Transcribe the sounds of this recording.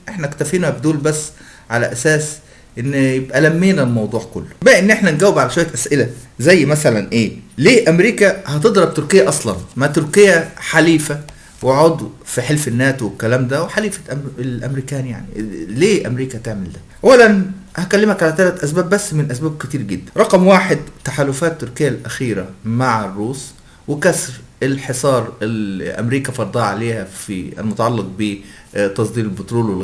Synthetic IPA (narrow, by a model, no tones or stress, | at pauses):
ʔeħnækt̪æfiːnæbd̪uːlbæsː | ʕalæ̰ʔæsæːs | ʔenːjebʔælæmːeːnælmɑwd̪ˤuːʕko̰lːo̥bæʔenːʔeħnænɡæwːebʕalæʃwæjːæt̪ʔæsʔɪlæzæjːmæsælænʔeːleːʔæmɾiːkæhæt̪ed̪ˤɾˤɑbt̪ʊɾkejːæʔɑsˤlɑ̰nmat̪ʊɾkejːæħaliːfæ | weʕod̪ˤwfiħelfenːæːt̪wekːælæːmd̪æweħaliːfæ̥ʔlʔæ̰mɾiːkæːnja̰ʕnileːʔæmɾiːkæt̪eʕmɪld̪æʔæwːælæn | hækælːɪmhækʕalæt̪ælæt̪ʔæsbæːbːæsːmɪnʔæsbæːb̚kɪt̪iːɾɡɪd̪ːænɾˤɑqɑmwaːħed̪̚t̪ːaħaːlʊfæːt̪ːʊɾkɪjːælʔæxiːɾæmaʕerˤːuːs | wɪkæsɾɪlħesˤɑːɾˤelʔæ̰mɾiːkæfɑɾˤd̪ˤɑːʕaleːhæfiɪ̰lmʊt̪ɑʕɑlːɑt̪̚be | t̪ːɑsˤd̪ˤiːɾelbɪt̪ɾoːlwel